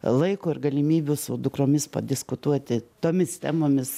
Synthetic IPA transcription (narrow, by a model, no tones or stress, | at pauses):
lˠɐɪkʊːɪrɡɐlʲɪmʲiːbʲʊsʊd̪ʊkɾoːmʲɪspɐ̰d̪ʲɪskʊt̪uɔt̪ʲɪt̪oːmʲɪst̪ʲæːmoːmʲɪs